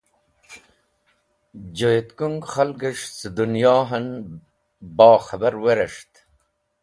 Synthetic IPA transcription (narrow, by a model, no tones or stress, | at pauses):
d͡ʑojet̪kuŋɡχɐlɡeʂsəd̪unjɑːɦɐn | bɑːxɐbɐɾweɾeʂt̪